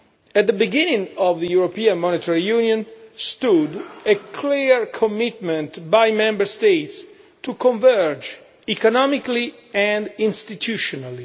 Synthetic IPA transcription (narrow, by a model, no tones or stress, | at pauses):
ɛt̪̚d̪əbiɡĩnĩŋɔvðəjuɹopiãnmɔnit̪ʰaɹijunjɔ̃nst̪udekʰliɹkʰɔmɪt̪mɛ̃nt̪bajmɛ̃mbəɹst̪ejt̪s | t̪ukɔ̃ɱvɛɹd͡ʒ | ikɔnɔmikli | ɛ̃ndĩnst̪it̪ʰjuʃɔnali